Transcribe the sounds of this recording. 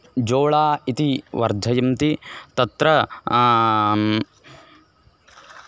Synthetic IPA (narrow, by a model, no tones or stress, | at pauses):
d͡ʒoːɭaːit̪iʋɐɾd̪ʱɐjɐmt̪it̪ɐt̪ɾɐ